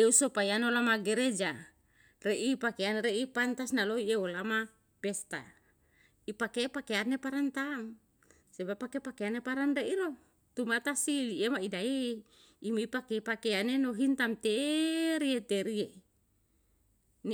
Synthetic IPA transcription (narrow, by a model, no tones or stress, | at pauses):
eusopajanolamaɡeɾed͡ʒa | reʔipakeaneɾeipant̪asnaloieolama | pest̪a̰ | ipakepakeanepaɾant̪aŋ | sebapːakepakeanepaɾanreʔiɾo | t̪umat̪asiiemaidae | imiipakepakeanenoɦint̪amt̪eɾiet̪eɾie | n